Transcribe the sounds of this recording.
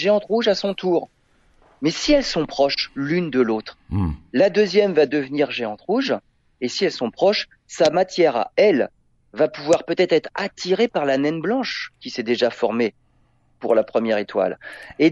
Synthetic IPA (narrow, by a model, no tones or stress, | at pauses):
ʒeɑ̃t̪ʁuʒasɔ̃t̪uːʁ | mɛsiɛlsɔ̃pχɔʃlynd̪əlot̪χlad̪øzjɛmvad̪əvniʁʒeɑ̃t̪ʁuʒ | esiɛlsɔ̃pχɔʃ | samat̪jɛʁa̰ɛl | vapuvwaʁpøt̪ɛt̪χɛt̪χat̪iʁepaʁlanɛnblɑ̃ʃkʲisɛd̪eʒafɔʁme | puʁlapχəmjɛʁet̪wa̰le